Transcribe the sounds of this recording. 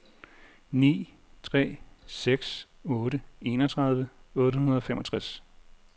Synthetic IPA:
nḭː | t͡sʰʁɛ̰ːseɡ̥s | ɔ̽ːɾəe̝ːnɒt͡sʰʁɑ̈ð̞ˠʋəɔ̽ːɾəhunɐð̞ˠɒ̽femɒ̽t͡sʰʁas

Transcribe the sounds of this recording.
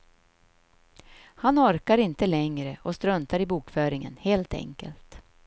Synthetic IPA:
hanɔɾkaɾɪnt̪əlɛŋɾəʔɔst̪ɾœnt̪aɾɪbuːkfœːɾɪŋə̰nheːlt̪ɛ̰ŋkə̰lt̪

